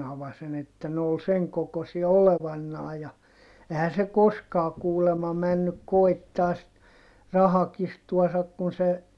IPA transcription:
ɑʋɑsen etːæ ne ol seŋ kokosiɑ oleʋɑnːɑː jɑ ehæn se koskɑː kuːlemɑ mænːyk koi̯tːɑː sit rɑhɑkistuɑsɑk kun se

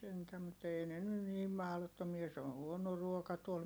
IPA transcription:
sentæ mut ei ne ny niːm mɑhlotːomiɑ se on̞ huono ruokɑ tuol

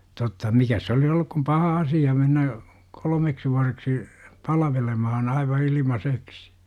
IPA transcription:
totːɑ mikæs se olis olːuk kum pɑhɑ ɑsijɑ menːæ kolə̆meksi ʋuɑreksi pɑlʋelemɑhɑn ɑiʋɑ ilimɑseksi

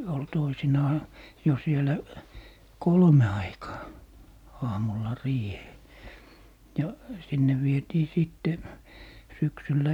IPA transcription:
ol toisinɑː jo sielæ kolme ɑikɑː ɑːmulːɑ riːheː jɑ sinːe ʋietiː siˑtːe syksylːæ

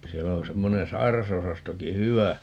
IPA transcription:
siɛlːæ on semːonen sɑi̯rɑsosɑstoki hyʋæ

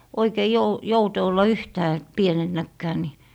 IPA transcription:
oikei jou joute olːɑ yhtæː pienenːækːæː ni

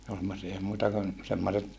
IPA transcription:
ne ol semːosiɑ ei muitɑ kun semːoset

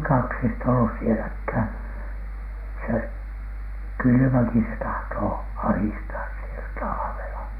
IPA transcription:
kɑksistɑ olːus sielækhæˑn se kylymæki se tɑhtoː ɑhistɑːs sielæ tɑlɑʋelɑ

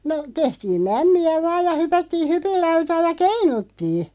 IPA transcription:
no tehtiːm mæmːiæ ʋɑːj jɑ hypætːiː hypilːɑutɑː jɑ keinutːiː

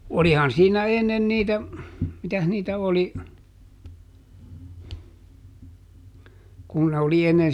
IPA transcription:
olihɑn siːnæ enːen niːtæ mitæh niːtæ oli kun ne oli enːen

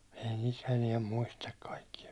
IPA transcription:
ei nit eniɛm muistɑk kɑikːijɑ

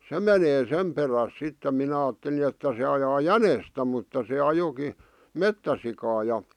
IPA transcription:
se meneː sem peræs sitːe minæ ɑːtːeli etːæ se ɑjɑː jænestæ mutːɑ se ɑjoki metːæsikɑː jɑ

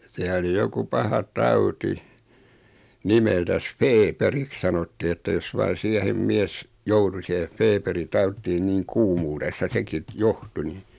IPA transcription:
siæ oli joku pɑhɑ tɑuti nimeltæs feːperik sɑnotːi etːæ jos ʋɑin̞ siæhem miɛs joutu sihef̆ feːperi tɑutːiː niːŋ kuːmuːresːɑ seki t johtu ni

